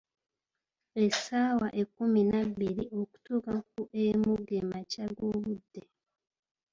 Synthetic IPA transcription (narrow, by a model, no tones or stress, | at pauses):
esaːwaʔekːuminaβːiɾio̞ku̥tukak̚uʔemuɡemacaɡoːβudːe̞